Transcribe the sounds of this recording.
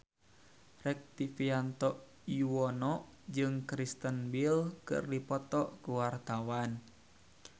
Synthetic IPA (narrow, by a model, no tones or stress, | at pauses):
rɛk̚t̪ifiant̪ɔʔ | juwɔnɔʔ | d͡ʒɨŋkɾist̪ənbilkɨ̰rdipɔt̪ɔʔkuwart̪awan